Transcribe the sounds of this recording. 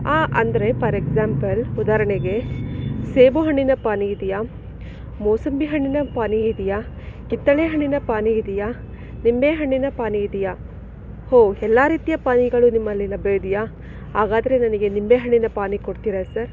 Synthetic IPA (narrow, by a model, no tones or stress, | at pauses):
aːʔɐnd̪ɐɾe̞pɐɾeɡzaːmpɐlud̪aːɾɐɳeɡe̞seːbuɦɐɳːinɐpaːniːd̪ija | moːsɐmbiɦɐɳːinɐpaːniid̪ija | kit̪ːɐɭeɦɐɳːinɐpaːniid̪ija | nimbeːɦɐɳːinɐpaːniːd̪ija | hoːɛlːaːɾiːt̪ijɐpaːniɡɐɭunimːɐlːinɐbed̪ija | ɦaːɡaːd̪ɐɾe̞nɐnɐɡe̞nimbeːɦɐɳːinɐpaːnikoɽt̪iːɾɐsɐɾ